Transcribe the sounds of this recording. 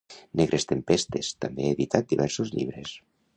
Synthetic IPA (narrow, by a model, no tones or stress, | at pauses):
neɣɾʔest̪empest̪est̪ambeeðit̪at̪̚d̪iβɛɾsozʎḭβ̞ɾes